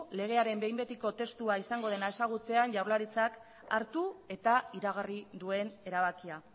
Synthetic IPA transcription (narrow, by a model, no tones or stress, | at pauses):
le̞ɣ̞e̞aɾe̞mbe̞jmbe̞t̪iko̞t̪e̞st̪uaisaŋɡo̞ð̞e̞nae̞saɣ̞ut͡se̞anʝawɾlaɾit͡sak | a̰ɾt̪ue̞t̪aiɾaɣ̞arid̪ue̞ne̞ɾaβakia